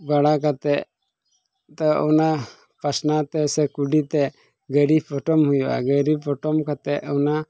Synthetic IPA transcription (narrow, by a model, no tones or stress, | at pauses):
baɽak̬at̪ɛʔ | t̪ɔɔna | pasnat̪ɛsɛkuɖit̪ɛ | ɡəɾibpɔʈɔmhujuʔa̰ɡəɾibpʰɔʈɔmkat̪ɛʔɔna